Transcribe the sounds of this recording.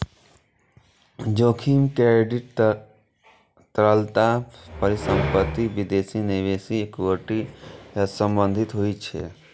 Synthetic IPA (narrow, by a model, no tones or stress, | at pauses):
d͡ʒoːkʰiːmkeɖɪʈ | t̪əɾəlt̪apəɾisə̃mpət̪ːiʋid̪eːsineʋeːsiekoʈijasə̃mbə̃nd̪ʱɪt̪ɦoit͡ʃʰɛ̰